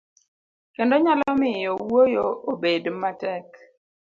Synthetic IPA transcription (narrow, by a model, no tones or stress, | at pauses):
kɛndɔɲalɔmɪjɔwojoʔobedmatɛk